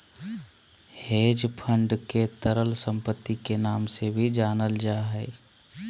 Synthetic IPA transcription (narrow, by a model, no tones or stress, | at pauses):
heːd͡ʒpʰə̃ɳɖket̪əɾəlsə̃mpət̪ːikenaːmsebʱid͡ʒaːnəld͡ʒaːɦɛː